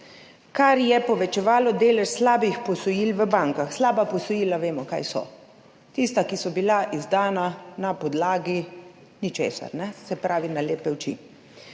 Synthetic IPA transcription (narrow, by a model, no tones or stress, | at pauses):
kaɾjɛpɔʋɛt͡ʃɛʋaːlɔd̪eːlɛʃslaːbixpɔsɔjiːlʋəbaŋkaxslaːbapɔsɔjiːlaʋeːmɔka̰jsɔ̰ | t̪ist̪akisɔbilaʔizd̪aːnanapɔd̪laːɡi | nit͡ʃḛːsa̰ɾnɛsɛpɾaːʋinaleːpɛwt͡ʃḭ